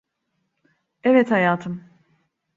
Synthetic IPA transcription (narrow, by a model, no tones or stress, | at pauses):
ɛvɛt̪hajaːt̪ʰɯm